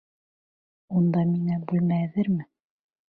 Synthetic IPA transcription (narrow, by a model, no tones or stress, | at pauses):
und̪ɑmiŋæbʉlmææðɘɾmɘ